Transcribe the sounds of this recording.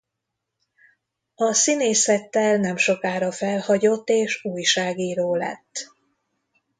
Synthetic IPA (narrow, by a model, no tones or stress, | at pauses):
ɒsineːsɛt̪ːɛlnɛmʃo̞kaːɾɒfɛlhɒɟo̞t̪ːeːʃuːjʃaːɡiːɾoːlɛ̰t̪ː